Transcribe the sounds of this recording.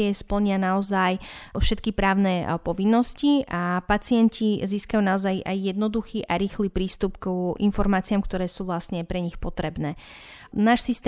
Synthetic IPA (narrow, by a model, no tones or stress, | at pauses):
ɛspl̩ɲɪanaɔzajfʃɛt̪kipɾaːʊnɛːpɔʋinːɔsciʔapat͡sɪɛncʰiziːskajunaɔzajajːɛd̪nɔd̪uxiːʔaɾiːxliːpɾiːst̪upkʔinfɔɾmaːt͡siamkt̪ɔɾɛːsuːʋlasɲɛpɾɛɲixpɔt̪ɾɛbnɛː | naːʃsist̪ɛ